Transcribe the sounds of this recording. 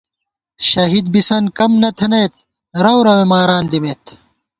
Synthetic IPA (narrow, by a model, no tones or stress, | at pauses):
ɕɐɦid̪̚bisɐnkɐmnɐt̪ʰɐnɐjt̪̚ | ɾɐwɾɐwemaːɾaːnd̪imeːt̪